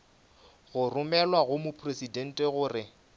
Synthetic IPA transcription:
ɣʊrʊmɛlwaɣʊmʊpʰresidɛn̩tʼɛɣʊːrɪ

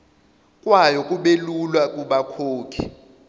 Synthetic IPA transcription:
kʼwajɔkʼuɓelulwakʼuɓakʰoːkʰḭ

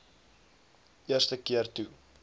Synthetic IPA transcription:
ʔiərstəkiərtu

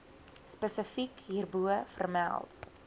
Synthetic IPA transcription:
spəsəfikɦirbuəfərmæ̰lˠt

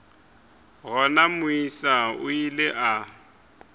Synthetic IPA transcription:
ɣɔnamʊisaʊ̰ileʔa

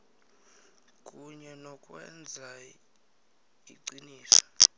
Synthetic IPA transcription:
kʼuɲɛnɔkʼwɛ̰nd͡zʱa | iǀiniːsɔ̥

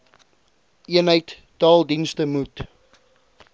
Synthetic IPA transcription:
iənɦəjt | tɑːlˠdinstəmut

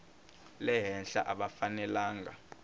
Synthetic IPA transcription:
lɛɦɛnɬa̰ʔaɓafanɛlaːŋɡa

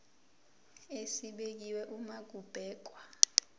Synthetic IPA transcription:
esiɓek̬iwɛʔumaɡ̥ʱub̥ʱɛːk̬ʼwa

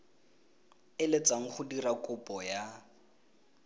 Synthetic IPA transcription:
ɪlet͡sʼaŋ̩χʊdirakʼʊpʼɔja

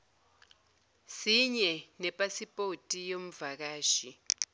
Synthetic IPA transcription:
siɲɛnɛpʼasipʼotʼijom̩vak̬aːʃi

